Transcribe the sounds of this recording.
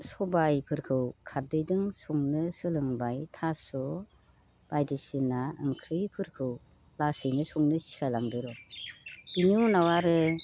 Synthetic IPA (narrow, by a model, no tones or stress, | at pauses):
sɔbajpʰɯɾkʰɯwkʰaɾdɯjdɯŋsɔŋnɯsɯlɯŋbajtʰasɔ | b̥ajdisinaɯŋkʰɾɯjpʰɯɾkʰɯw | lasɯjnɯsɔŋnɯsi̥kʰajlaŋdɯɾɔ̥ | iniunawaɾɯ